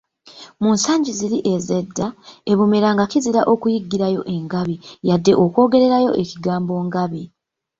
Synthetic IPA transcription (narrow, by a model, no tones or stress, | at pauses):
muːnsaːɲɟiziɾiʔe̞ze̞dːae̞βume̞ɾaŋɡakiziɾaʔo̞kujiɡːiɾajo̞̰ʔe̞ŋɡaβijadːe̞ʔo̞kwo̞ːɡe̞ɾe̞ɾajo̞̰ʔe̞ciɡaːmbo̞ːŋɡaβi